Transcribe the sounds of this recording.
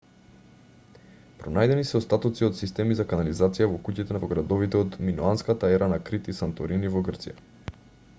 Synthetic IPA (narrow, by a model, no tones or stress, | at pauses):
pɾonajd̪ɛnisɛɔst̪at̪ɔt̪siot̪sist̪ɛmizakanalizat̪sijavɔkucit̪ɛnavɔɡɾad̪ɔvit̪ɛɔod̪minuanskat̪aɛɾanakɾit̪isant̪ɔɾinivɔɡrt̪sija̰